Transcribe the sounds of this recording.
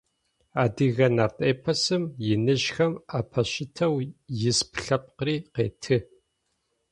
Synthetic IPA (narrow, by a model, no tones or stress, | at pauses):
aːdiɣɐnɐrtʼeːpʰɐsɨmjɪnɨʑxɐmaːpʰɐɕɪtʰɐwjɪspʰɬɐpʼqəriːqḛːtʰɨ